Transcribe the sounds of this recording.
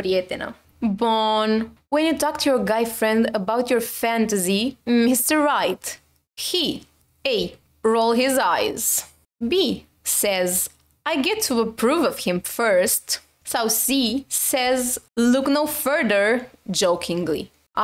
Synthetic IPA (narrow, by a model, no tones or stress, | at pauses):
ɾiɛt̪ɪno̰ | bɔnwɛ̃njɨtɔk̚tʰujɔ˞ɡaɪfɹɛ̃ndəbawtjɔɹfæ̃ntɨzimɪstə˞ɹaɪt | hi | eɪ | ɹoʊlˠɦɪzajz | bi | sɛz | ajɡɛtʰːuəpʰɹuvʌv̥hɪ̃mfɜ˞st | soʊsisɛzlʊknoʊfɜ˞ðə˞d͡ʒoʊkʰɪ̃ŋlḭ